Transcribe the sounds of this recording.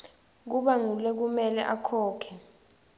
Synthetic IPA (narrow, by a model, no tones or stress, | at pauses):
k̬uɓaŋulɛk̬umɛlɛ̰ʔakʰɔːkʰɛ